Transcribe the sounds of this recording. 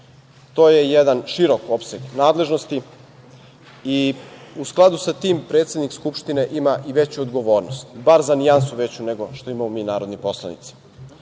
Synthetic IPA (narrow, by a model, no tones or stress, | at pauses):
t̪oːjejed̪anʃiɾo̞kopseɡnaːd̪lˠe̞ʒno̞st̪i | iusklˠad̪usat̪iːmpɾe̞ːt̪sʲe̞d̪nikskupʃt̪ine̞ʔimaʔiʋe̞t͡ɕuod̪ɡoʋo̞ːɾnost̪baɾzanijansuʋe̞t͡ɕune̞ɡo̞ʃt̪o̞imamomiːnaːɾo̞d̪nipo̞slˠa̰nḭt̪si̥